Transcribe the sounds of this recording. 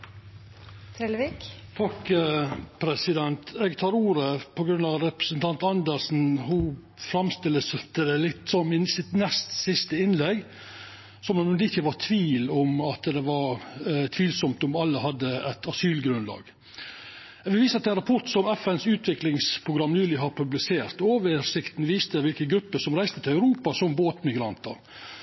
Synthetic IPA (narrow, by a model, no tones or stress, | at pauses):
t̪ʰɾelʋikt̪ʰɑk | pʰɾɛsɪd̪ɛnt̪ɛɡt̪ʰɑːɾuːɾəpʰɔɡɾʉnːɑʋɾɛpɾə̥sənt̪ʰɑnt̪ɑnd̪əɾsn̩ɦʊ | fɾɑmst̪ɪlːəst̪əd̪ɛlɪt̪ːsɔmɪsɪt̪nɛst̪sɪst̪əɪnlɛɡ | sɔmɑɛɪçəʋɑɾt̪ʰʋiːlɔmɑt̪d̪ɛʋɑɾt̪ʰʋiːlsɔmt̪ɔmɑlːəhɑd̪ːəɛt̪ɑsyːlɡɾʉnlɑ̰ːɡ̥ | ʋɪʋiːsəɑt̪ɛnɾɑpʰɔʈ̪sɔmɛfɛnsʉːt̪ʋɪklɪŋspʰɾʊɡɾɑmːnʉːlɪɦɑɾpʰʉblɪseːɾt̪oːʋəsɪkt̪nʋiːst̪əʋɪlkəɡɾʉpːəsɔmɾæɪst̪ət̪ʰɪlæʉɾuːpɑsɔmboːt̪mɪɡɾɑnt̪ə̰ɾ